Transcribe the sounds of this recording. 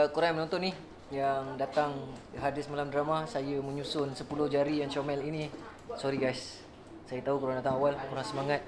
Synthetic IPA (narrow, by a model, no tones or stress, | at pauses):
kuɾaŋmənɔ̃nt̪ɔnih | jaŋdat̪aŋɦadɪsəmalamdəɾamasajəməɲusʊnsəpulʊhd͡ʒaɾijaŋt͡ʃomɛlini | sɔɾiɡajsː | ajət̪aɦukuɾaŋdat̪aŋawalkuɾaŋsəmaŋat̪̚